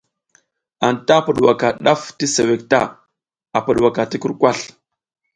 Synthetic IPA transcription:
a˨nta˦pu˨ɗwa˨ka˨ɗa˦fti˦se˨we˨k̚ta̰˦˨ | a˨pu˨ɗwa˨ka˨ti˦ku˦ɾkʷa˦˨ɬ

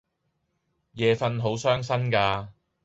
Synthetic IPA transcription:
jɛː˨fɐ˧nɦo˨˥wsœː˥ŋsɐ˥nkaː˧

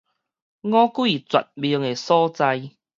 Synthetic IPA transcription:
ŋɔ˦ku˦i˨˩t͡swa̰˨t̚bi˧əŋe˨˩sɔː˦t͡sa˧j

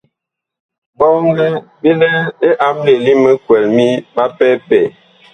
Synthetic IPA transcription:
bɔ˦ŋ˦ɡɛ˦bi˦lɛ˦e˦ʔa˦mli˨li˦mə˦kwɛ˨lmi˦ba˦pɛ˦pɛ˨

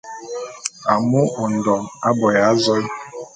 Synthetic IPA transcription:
a˨mu˦ʔo˨n̩˨dɔ˨a˦bɔ˨ja˨˦zɔ˦

